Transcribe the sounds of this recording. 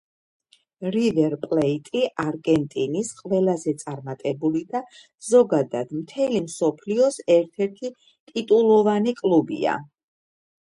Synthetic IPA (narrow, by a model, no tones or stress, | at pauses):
ɾivɛɾpʼlɛit̪ʼiʔaɾɡɛnt̪ʼinisqʼvɛlˠazɛt̪sʼaɾmat̪ʼɛbulid̪a | z̥ɔɡad̪ad̪̥mt̪ʰɛlimsɔpʰliɔsɛɾt̪ʰɛɾt̪ʰi | t̪ʼit̪ʼulˠɔvanikʼlubḭa̰